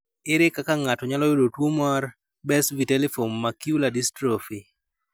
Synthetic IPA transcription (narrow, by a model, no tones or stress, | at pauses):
ɪɾɪkakaŋatɔɲalɔjodotwomar | bɛsvitɛlefomːakiuladistɾofi